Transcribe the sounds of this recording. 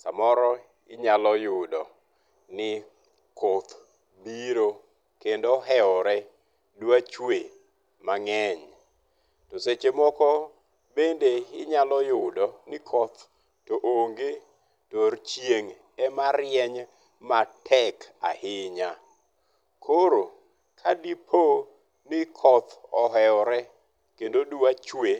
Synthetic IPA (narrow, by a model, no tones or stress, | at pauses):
sa̰mɔɾɔ | ɪɲalɔjʊdɔ | nɪ | kʰot̪ | biɾo | kendoɦɛɔɾɛ | dwat͡ʃwe | maŋɛɲ | toset͡ʃemɔkɔ | bendeɪɲalɔjʊdɔnɪkʰɔt̪ | toʔoŋɡe | toɾt͡ʃjeŋ | ɛmaɾjɛɲ | matʰɛka̰hɪɲa | kʰoɾo | kʰadipʰo | nɪkʰɔt̪ʰɔɦɛɔɾɛ | kendoduat͡ʃwe